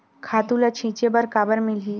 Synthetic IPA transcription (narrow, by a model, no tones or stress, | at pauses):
kʰat̪ulat͡ɕʰĩt͡ɕebəɾkabəɾmili